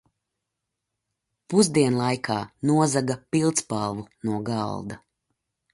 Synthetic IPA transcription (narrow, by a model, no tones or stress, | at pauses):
puzd̪iɛnlˠajkʰaːnuɔzaɡapilˠt̪spalˠvunuɔɡalˠd̪a